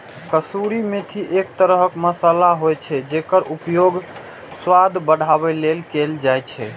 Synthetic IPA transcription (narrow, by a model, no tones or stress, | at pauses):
kəsuɾimet̪ʰiʔekt̪əɾəɦəkməsalaɦojt͡ʃʰɛd͡ʒekəɾupjoɡ | swad̪ʱbəɽ̤ʱaβɛlelkeld͡ʒajt͡ʃʰɛ̰